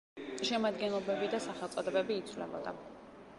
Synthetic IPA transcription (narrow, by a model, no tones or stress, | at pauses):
ʃɛmad̪ɡɛnlˠɔbɛbid̪asaχɛlt̪ʼɔd̪ɛbɛbiːt̪sʰvlɛ̰bɔ̰d̪a̰